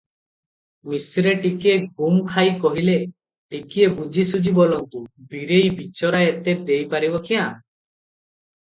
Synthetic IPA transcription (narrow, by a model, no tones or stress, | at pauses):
misɾeʈikeɡʱumkʰajkɔɦile | ʈikiebud͡ʒʱisud͡ʒibɔlɔŋt̪ubiɾejbit͡ʃɔɾaet̪ed̪ejpaɾibɔkʰiã